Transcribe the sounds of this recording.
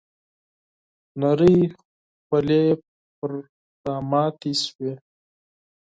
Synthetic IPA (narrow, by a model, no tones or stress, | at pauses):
naɾəj | xale | pəɾ | sɑːmɑt̪iswe